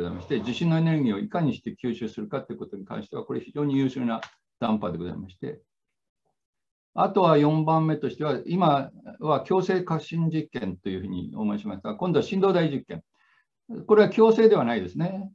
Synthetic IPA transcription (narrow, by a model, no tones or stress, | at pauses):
oaimaɕi̥t̪e̞d͡ʑiɕĩnːo̞e̞ne̞ɾɯɡʲiːo̞ikaɲ̟iɕi̥t̪e̞kʲɨːɕɨːsɨɾɯ̟kat̪ːeiɯkot̪o̞ɲ̟ikã̰ɰ̃ɕi̥t̪e̞βakoɾeçiʑo̞ːɲ̟ijɯ̟ːɕɨːna | d̪̥ãmpad̪e̞ɡo̞za̰imaɕi̥t̪e̞̰ | at̪o̞βajõ̞mbãmːe̞t̪o̞ɕi̥t̪e̞βaimaβakʲo̞ːse̞ːkḁɕĩɲd͡ʑikːẽ̞nt̪o̞jɯ̟ːɸɯ̟ːɲ̟ḭomo̞iɕimasɨ̥ɡakõ̞nd̪o̞aɕĩnd̪o̞ːd̪aiʑikːẽ̞n | ko̞ɾe̞βakʲo̞ːse̞ːd̪e̞β̞anaid̪e̞sɨne̞